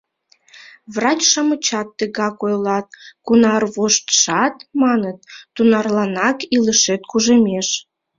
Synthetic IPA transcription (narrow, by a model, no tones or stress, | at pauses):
βrɑt͡ɕʃɑmət͡ɕɑt̪ːəɣɑkojlɑt̪̚kunɑrβoʃt̪ʃɑt̪mɑnət̪̚ːunɑrlɑnɑkiləʃet̪̚kuʒemʲeʃ